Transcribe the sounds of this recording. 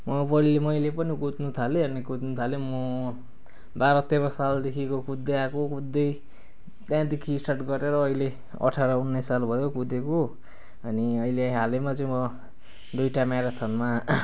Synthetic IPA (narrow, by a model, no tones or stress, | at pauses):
mʌpʌilemʌjlepʌnikut̪nut̪ʰaleʌnikut̪nut̪ʰalemʌ | baɾʌt̪eɾʌsald̪ekʰikokud̪ːejakokud̪ːʌj | t̪jãd̪ekʰiːsʈarʈɡʌɾeɾʌːile | ʌ̰ʈʰaɾʌunːʌsːalbʱʌjokud̪eko | ʌniʌjleɦalemat͡sʌĩmʌ | d̪ujʈamaɾat̪ʰʌnma